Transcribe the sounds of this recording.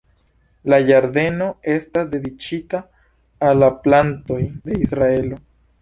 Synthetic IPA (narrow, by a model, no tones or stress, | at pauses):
lajaɾde̞no̞e̞stasde̞dit͡ʃitaː | lːaplanto̞jde̞isɾae̞lo̞